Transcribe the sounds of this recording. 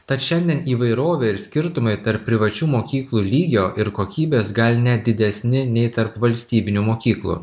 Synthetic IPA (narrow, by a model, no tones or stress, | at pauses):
t̪ɐt̪ʃʲɛnʲd̪ʲiɛniːʋɐɪɾoːʋʲeɪɾsʲkʲɪɾt̪ʊmɐɪt̪ɐɾpːʲɾʲɪʋɐt͡ʃʲuːmoːkʲiːklˠuːlʲiːɡʲoːʔɪɾkoːkʲiːbʲeːsɡɐlʲnʲɛd̪ʲɪd̪ʲɛsʲnʲɪnʲɛɪt̪ɐɾpʋɐlʲsʲt̪ʲiːbʲɪnʲumoːkʲiːklˠṵː